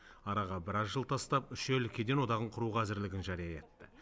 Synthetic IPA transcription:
ɑɾɑʁɑbɪɾɑzʒəlˠt̪ʰɑst̪ɑpʏʃelkʲʰed̪e̞nwo̞d̪ɑʁəɴqʰʊɾuʁɑæzɪɾlɪɡʲɪnʒɑɾijɑe̞t̪ːɪ̥

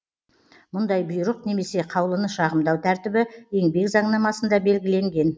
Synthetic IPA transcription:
mʊnd̪ɑjbʊjɾəqne̞me̞se̞qʰɑwlˠənəʃɑʁəmd̪ɑwt̪ʰæɾt̪ɪbɪe̞ŋbe̞kzɑɴnɑmɑsənd̪ɑbe̞lɡʲɪle̞ŋɡʲe̞n

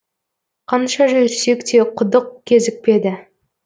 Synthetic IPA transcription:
qʰɑnʃɑʒɵjɾse̞kt̪e̞qʰʊd̪əqkʲʰe̞zɪk̚pe̞d̪ɪ

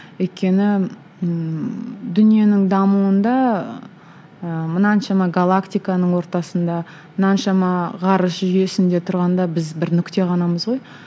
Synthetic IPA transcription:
wɵjt̪̚kʲe̞nɪ | d̪ʏnije̞nɪŋd̪ɑmuwənd̪ɑ | əmənɑnʃɑmɑɡalˠakt̪ijkanəɴwo̞ɾt̪ɑsənd̪ɑ | mənɑnʃɑmɑʁɑɾəsʒʏje̞sɪnd̪e̞t̪ʰʊɾʁɑnd̪ɑbɪzbɪɾnʏkt̪e̞ʁɑnɑməzʁo̞j

